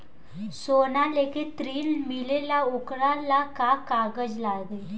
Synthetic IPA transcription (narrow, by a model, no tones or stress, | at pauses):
sonalekʰit̪ɾiːlmilelaokɽalːakakaɡəd͡ʑlaɡe